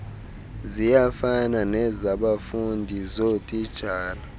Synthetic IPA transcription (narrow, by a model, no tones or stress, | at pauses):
zijafananɛzaɓafundʱizotʼid̥ʒ̥ʱaːla